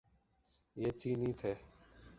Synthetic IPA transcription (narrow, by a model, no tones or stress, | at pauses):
jeːt͡ʃiːnĩːt̪ʰeː